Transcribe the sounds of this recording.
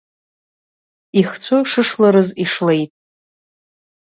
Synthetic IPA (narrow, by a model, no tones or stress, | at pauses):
iχt͡ɕʷʰʊʂɨʂlaɾɨziʂle̞jtʼ